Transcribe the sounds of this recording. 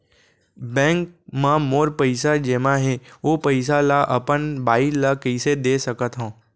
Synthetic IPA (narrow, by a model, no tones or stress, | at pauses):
bɛ̃ːŋk̚mãmoːɾpəɪsad͡ʒeːmãɦɛopəɪs̬alaʔɐpənbaːɪlakəɪsed̪eːsɐkət̪ɦõː